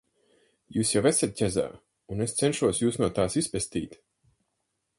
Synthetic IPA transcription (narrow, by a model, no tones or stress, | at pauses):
juːsjawɛsɛt̪̚cʲɛza̰ː | unest̪sɛnʃuɔsjuːsnuɔt̪aːsispɛst̪ḭːt̪